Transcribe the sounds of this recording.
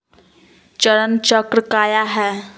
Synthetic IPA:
t͡ʃəɾənt͡ʃəkɾəkaːjaɦɛː

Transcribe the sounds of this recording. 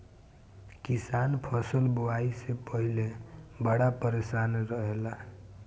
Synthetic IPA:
kisanpʰəsəlbuwaisepəɦilebəɽapəɾesanɾəɦelaɦ

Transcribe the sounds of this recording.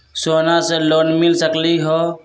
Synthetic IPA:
soːnaseloːnmɪlsəkliɦoː

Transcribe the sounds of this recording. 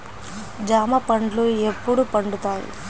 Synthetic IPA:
d͡ʒaːmɐpɐɳɖluepːuɽupɐɳɖut̪aːjḭ

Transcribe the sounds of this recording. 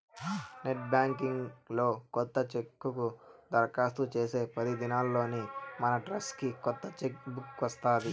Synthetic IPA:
neʈ̚baːŋkiŋɡlo̞ːkɔt̪ːɐt͡ʃekːukud̪ɐɾkaːst̪ut͡ʃe̞ːse̞ːpɐd̪id̪inaːlːo̞ːnimɐnɐʈɾɐskikɔt̪ːɐt͡ʃekbukʋɐst̪aːd̪i

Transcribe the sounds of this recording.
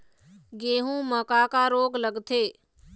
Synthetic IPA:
ɡeːɦũːməkaːkaːɾoːɡləɡt̪ʰeː

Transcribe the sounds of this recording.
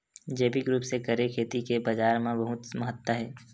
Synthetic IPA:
d͡ʒeːbiɡɾuːpsekɐɾekʰeːt̪ikebɐd͡ʒaːɾmãbɐɦʊt̪məɦət̪ːwəɦɛː

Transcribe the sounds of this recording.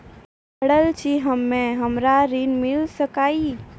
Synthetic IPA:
bʱəɽəlt͡ʃʰiɦəmːẽɦəmɾaɾinmilsəkaːi

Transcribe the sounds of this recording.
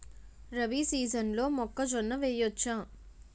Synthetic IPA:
ɾɐʋisiːzɐnlo̞ːmɔkːɐd͡ʒɔnːɐʋeːjot͡ʃːaː

